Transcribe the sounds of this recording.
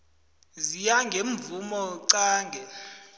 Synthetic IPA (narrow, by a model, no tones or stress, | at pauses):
zijaŋɡʱeɱvumɔǀaːŋɡʱɛ